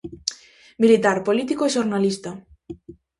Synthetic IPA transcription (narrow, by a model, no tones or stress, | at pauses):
milit̪aɾpolit̪ikoeʃoɾnalist̪a